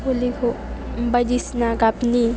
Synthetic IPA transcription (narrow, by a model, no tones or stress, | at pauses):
olikʰo | bɐd͡ʒisnakapni